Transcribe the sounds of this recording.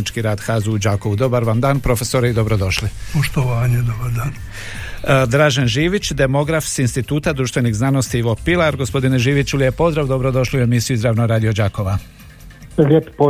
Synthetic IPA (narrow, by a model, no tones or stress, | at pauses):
it͡ʃkiɾaːd̪xaːzuud͡ʒaːko̞ʋud̪o̞baɾʋamd̪aːnpɾo̞fe̞soɾeid̪o̞bɾo̞d̪o̞ʃlipoʃt̪oʋaːɲed̪obaɾd̪aːn | d̪ɾaːʒanʒiːʋit͡ɕd̪e̞mo̞ɡɾafsinst̪it̪uːt̪ad̪ɾuːʃt̪ʋeniɣznano̞st̪iiʋo̞pilaɾɡo̞spo̞d̪ineʒiːʋit͡ɕulije̞po̞zd̪ɾaːʋd̪o̞bɾod̪o̞ʃliue̞misiuizɾaːʋnoɾaːd̪ijo̞d͡ʑaːko̞ʋa | lʲet̪po